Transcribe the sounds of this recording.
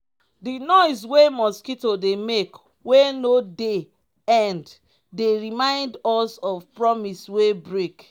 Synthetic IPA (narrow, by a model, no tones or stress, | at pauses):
dinɔɪswemɔskitodemek | wenode | ãnd | deɹimãɪ̃ndɔsɔvpɹɔmiswebɹek